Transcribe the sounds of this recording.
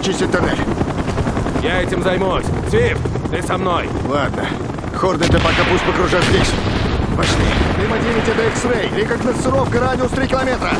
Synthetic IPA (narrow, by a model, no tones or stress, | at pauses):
t͡ʃisʲtʲɪt̚ʲt̪ɐnɛ | jaɛtʲɪmzɐjmusʲsʲift̪ɨsɐmnoj | lˠad̪̚nə | xord̪ət̪ɨpɐkapusʲt̚ʲpəkɾʊʐazʲdʲesʲpɐt͡ʃnʲilʲɪmədʲeʋʲɪtʲɛt̪əixsɾejlʲɪkaknəsɨɾofkəɾadʲɪʊst̪ɾʲikʲɪlˠɐmʲet̪ɾə